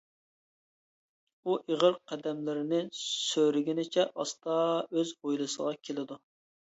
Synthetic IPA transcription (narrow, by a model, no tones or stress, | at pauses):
uʔeʁəɾqʰɛd̪ɛmlɪɾɪnɪsøɾɪɡʲɪnɪt͡ʃʰɛʔɑst̪ɑøzojlˠɨsəʁɑkʲʰelɪd̪u